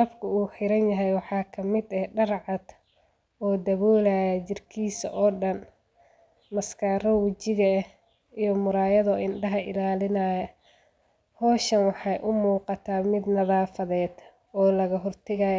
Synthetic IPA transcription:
ɐbkʰʊuːħɪɾɐnjɐɦɛjwɑħɑːkʰɐmɪd̪ɛɖɐrʕɑd̪̥ | ɔːd̪ɐβɔːlaːjɐt͡ʃɪrkʰiːsɐ̰ʔɔːɖɐn | mɐskʰɐɾɐwɐt͡ʃɪɣɐ | ijɞmʊɾaːjɐðɔɪnɖɐɦɐʔɪ̰laːlɪnaːjɐ | hɔːʃɐnwɑħɑjʔʊmuːqɑt̪ʰaːmɪd̪nɐðaːfɐðɛːd̪ | ɔːlɐɣɐɦɔrt̪ʰɐɣaːj

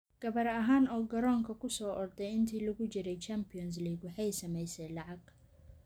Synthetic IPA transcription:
ɡ̥ɐβɐɾɐɦaːnɔːɡɐɾɔːŋkʰɐkʰʊsɔːʔɔrd̪ɛjɪnt̪ʰiːlʊɣʊt͡ʃɪɾɛjt͡ʃampɪjɔns̬liːɡwɑħɑjsɐmɛjsɛːjlɑʕɑɡ̥̚

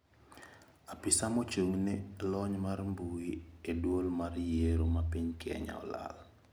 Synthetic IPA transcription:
apisamot͡ʃoŋnelɔɲmarmbuiedwolmarjeɾomapiɲkɛ̰ɲa̰ɔ̰la̰l

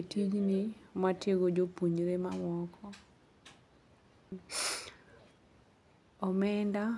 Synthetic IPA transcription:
tid͡ʒnimatjeɡod͡ʒopuɲɾemamɔkʰɔ | ɔmɛnda

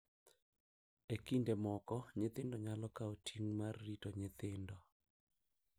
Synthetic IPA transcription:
ekindemɔkɔɲɪt̪ɪndɔɲalɔkaotʰiŋmarːitɔɲɪt̪ɪndɔ

